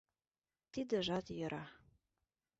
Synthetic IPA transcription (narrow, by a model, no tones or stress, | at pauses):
t̪id̪ĕʒɑt̪jɤ̆ɾʔɑ